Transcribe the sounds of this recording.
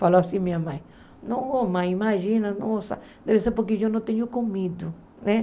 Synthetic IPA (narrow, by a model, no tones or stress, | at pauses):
faloasĩmĩɲamɐ̃j̃ | nõomɐ̃j̃imaʒĩnɐnõsa̰ | d̪ɛveseɾpoɾkeʒonɐ̃w̃t̪ẽɲʊkomid̪ʊ | nɛ̃